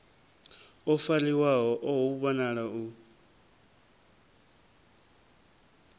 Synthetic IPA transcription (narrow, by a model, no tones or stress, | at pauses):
ɔfaliwaɦɔʔɔɦuβɔnaɺau